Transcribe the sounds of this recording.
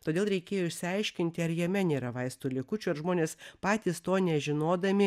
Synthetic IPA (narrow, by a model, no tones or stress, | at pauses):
t̪oːd̪ʲeːlˠɾʲɛɪkʲeːjoːɪʃʲsʲɪɐɪʃʲkʲɪnʲt̪ʲɪɐɾjɛmʲɛnʲeːɾɐʋɐɪst̪ulʲɪkʊt͡ʃʲʊɐɾʒmoːnʲeːspɑːt̪ʲiːst̪oːnʲɛʒʲɪnoːd̪ɐmʲɪ